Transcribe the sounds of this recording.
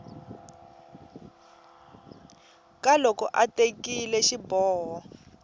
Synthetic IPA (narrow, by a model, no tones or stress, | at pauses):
kalɔkɔʔatekilɛʃibɔːɦɔ